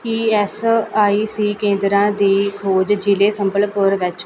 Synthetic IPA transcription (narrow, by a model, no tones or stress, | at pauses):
kiɛsaːiːsiːkẽːnd̪ɾãːd̪iːkʰoːd͡ʒd͡ʒileːsəmbəlpʊɾʋɪt͡ʃ